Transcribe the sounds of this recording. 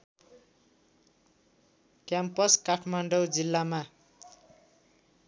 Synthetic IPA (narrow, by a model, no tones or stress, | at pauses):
kjampʌskaʈʰmaɳɖʌwd͡zilːama